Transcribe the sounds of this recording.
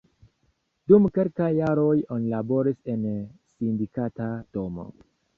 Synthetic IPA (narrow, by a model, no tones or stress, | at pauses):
d̥umke̞lkajːaɾo̞jo̞nilabo̞ɾise̞nsindikatad̥o̞mo̞̰